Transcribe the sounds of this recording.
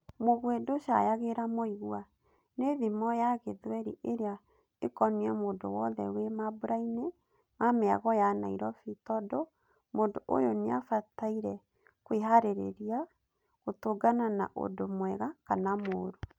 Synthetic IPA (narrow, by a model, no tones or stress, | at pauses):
moɣwedoʃa̰jaɣeɾamoiɣwa | neðimɔjaɣeðweɾiʔeɾea | ekɔniɛmoːndo̰wɔðɛ̰wemabuɾaine | mameaɣɔjana̰iɾɔfitɔdo | moːndoʔo̰joneafataiɾɛ | kweɦaɾeɾḛɾia | ɣotoɡanana̰ʔo̰domwɛɣakanamoːɾo